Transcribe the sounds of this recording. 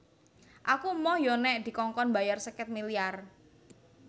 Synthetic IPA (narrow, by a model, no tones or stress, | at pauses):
ʔakumɔhjonɛʔd̪̥i̤kɔŋkɔnbajarsəkɛt̪̚miliar